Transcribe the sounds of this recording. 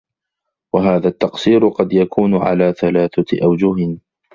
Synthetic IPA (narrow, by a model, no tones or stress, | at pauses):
waɦaːðat̪ːɑqsiːɾʊqɑd̪jakʰuːnʊʕa̰laːθalaːθaʔawd͡ʒʊhɪ